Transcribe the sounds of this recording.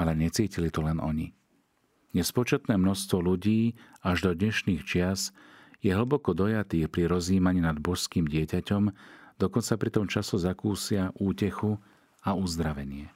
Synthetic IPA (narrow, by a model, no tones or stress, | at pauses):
alɛɲɛt͡siːcilit̪ɔlɛnɔ̰ɲi | ɲɛspɔt͡ʃɛt̪nɛːmnɔst̪ʋɔluɟiːaʒd̪ɔd̪ɲɛʃniːxt͡ʃɪasjɛɦl̩bɔkɔd̪ɔjat̪iːxpɾiɾɔziːmaɲiːnad̪bɔʃskiːmɟɪɛcacɔmd̪ɔkɔnt͡sapɾit̪ɔmt͡ʃasɔzakuːsɪaʔuːcɛxu | auzd̪ɾaʋɛɲɪɛ